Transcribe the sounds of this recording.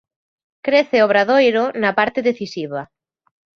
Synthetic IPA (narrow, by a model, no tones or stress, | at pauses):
kɾeθeoβ̞ɾaðojɾonapaɾt̪eðeθisiβa